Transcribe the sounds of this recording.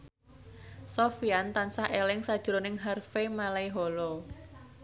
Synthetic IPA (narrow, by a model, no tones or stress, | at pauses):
sofiant̪ansahʔelɪŋsad̥ʒ̥ɾonɪŋɦarfemalaiɦɔlɔ